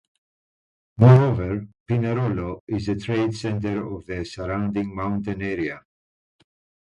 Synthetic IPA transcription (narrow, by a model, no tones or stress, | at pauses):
mɔɹovəɹpinəɾoloɪzðətʰɹeɪdsɛ̃ntəɹɔvðəsəɹãʊ̃ndɪ̃ŋmãʊ̃ntə̃nɛɹia